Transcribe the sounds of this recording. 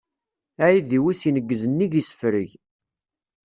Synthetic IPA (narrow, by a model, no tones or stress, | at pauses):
æjiðiwisinəɡːəzənːiʝisə̥fɾəʝ